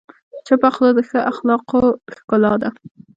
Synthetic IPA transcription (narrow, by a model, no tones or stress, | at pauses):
t͡ʃəpaχlod̪əxəʔaxlɑqoxkʊlɑd̪a